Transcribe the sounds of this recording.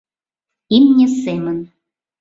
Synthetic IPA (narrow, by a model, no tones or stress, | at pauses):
imnʲĕsemən